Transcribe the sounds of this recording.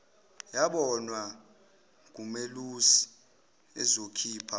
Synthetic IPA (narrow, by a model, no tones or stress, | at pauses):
jaɓɔnwa | k̬umelusi̥ | ɛzokʰiːpʰa